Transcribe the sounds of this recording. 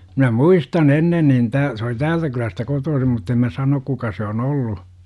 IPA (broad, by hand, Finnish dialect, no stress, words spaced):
minæ muistɑn enːen nin tæː se oli tæːltæ kylæstæ kotoːsim mutː em mæ sɑnok kukɑ se on olːu